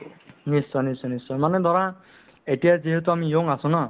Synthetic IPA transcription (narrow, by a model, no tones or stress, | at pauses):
nisːɔnisɔnisɔjmanɛd̪ʱaɾa | etijaziɦet̪uamijoŋasũna